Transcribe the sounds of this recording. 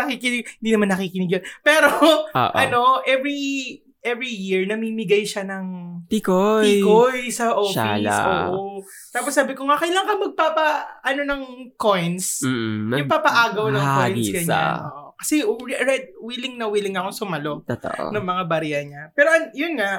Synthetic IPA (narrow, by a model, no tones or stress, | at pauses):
ɐkikɪnɪɡ̚hɪnd̪iːnɐmanːɐkikɪnɪɡjonpɛːɾoo̰ːʔʔɐno̞ʔɛvɹi | ʔɛvɹijiɹnɐmimɪɡɐjʃanɐŋt̪ikoikojsɐʔoːalsʔo̰ʔo | t̪aːposːaːbɪkoŋaʔkɐjlɐŋkɐmɐɡ̚paːpɐʔɐno̞nɐŋkojns̩jʊŋpapɐʔaːɡɐwnɐŋkojnsɡɐɲ̰a̰nʔo̰ːʔokɐ̥sɛɹɛd̪̚wilɪŋnɐwilɪŋɐkoŋsʊmɐlo̞t̪o̰ʔnɐŋmɐŋabɐɾijɐɲapɛːɾoʔɐnjʊnŋaʔ